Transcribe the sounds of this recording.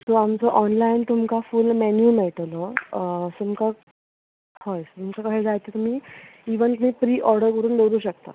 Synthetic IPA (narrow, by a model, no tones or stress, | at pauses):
soamt͡sɔʔɔnlaint̪umkafulmɛnjumɛʈlɔsumka | hɔjst̪umkakəɦed͡zajt̪et̪um̤iːiʋənt̪um̤iːpɾiːʔɔɾɽəɾkəɾuːnɖowɾuːɕəkt̪a̰